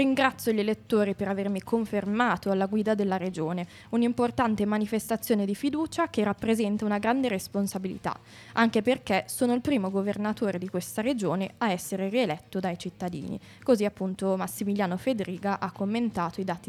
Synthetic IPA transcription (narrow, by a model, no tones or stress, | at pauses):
ɾiŋɡɾat̪sːjoʎelet̪ːoːɾipeɾavermikʰoɱfermaːt̪oalːaɡwiːd̪ad̪elːaɾed͡ʒoːne | unimport̪ant̪emanifest̪at̪sːjoːned̪ifid̪uːt͡ʃakerapːɾezɛnt̪aunaɡɾand̪eɾesponsabilḭt̪a̰ | ʔaŋkeperkesoːnoilpɾiːmoɡovernat̪ʰoːɾed̪ikwest̪aɾed͡ʒoːneaɛsːeɾeɾielɛt̪ːod̪ajt͡ʃit̪ːad̪ḭːnḭ | koziapːunt̪omasːimiljaːnofed̪ɾiːɡaʔakːomːent̪aːt̪oid̪aːt̪i